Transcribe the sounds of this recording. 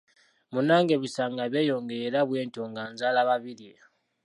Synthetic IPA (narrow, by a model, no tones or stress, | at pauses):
munaːŋɡe̞βisaːŋɡaβjejo̞ːŋɡeeɾaβwe̞ːntoːŋɡaːnzalaβaβilije